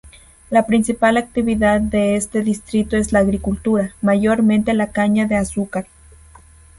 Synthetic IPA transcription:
lapɾinsipalak̚t̪iβiðaðːeest̪eðist̪ɾit̪oeslaːɣɾikult̪uɾamaʝoɾment̪elakaɲaðeasukaɾ

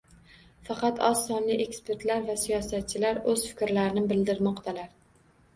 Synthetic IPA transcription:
fɑqʰɑt̪ɒsːɒnliʔe̞kspe̞ɾt̪laɾvasijɒsat̪̚t͡ʃʰɪlaɾɵzfɪ̥kʲɾlaɾɪnɪbɪld̪ɪɾmɒqt̪ʰalaɾ

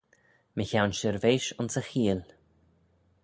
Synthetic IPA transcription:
məçawnʃəɹveːʃʊnsəxiːl

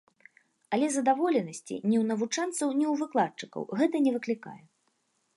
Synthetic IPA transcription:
ɐlʲɛzɐd̪avɔlʲɛnɐsʲt͡sʲḭnʲiwnɐvut͡ʂant̪sɐwnʲɛwvɨklˠat̪̚t͡ʂɨkɐ̰wɣɛt̪ɐnʲɛvɨklʲika̰jɛ

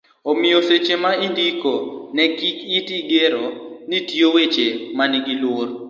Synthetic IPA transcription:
omɪjoset͡ʃemaindikonɛɡikitiɡeɾonitiowet͡ʃemanɛɡilwoɾ

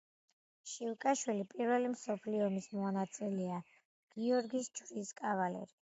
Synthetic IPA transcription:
ʃiwkʼaʃwilipʼiɾvɛlimsɔpʰliɔmismɔnat̪sʼilɛa | ɡ̥iɔɾɡisd͡ʒɾiskʼavalɛ̰ɾi

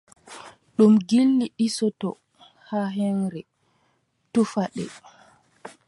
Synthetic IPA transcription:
ɗumɡilːiʔisɔtɔ | haɦɛnɾɛ | tufaɗɛ̰

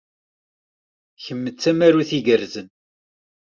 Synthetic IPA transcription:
çəmːət͡sːæmæɾuθiʝəɾzən

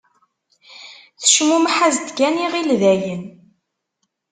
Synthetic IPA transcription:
θə̥ʃmumħazd̪ɡæniʁilðæjən

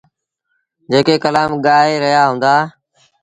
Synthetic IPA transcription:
d͡ʒeːkeːkəlaːmɠaːeːɾəɦjaːɦʊ̃ːnd̪aː

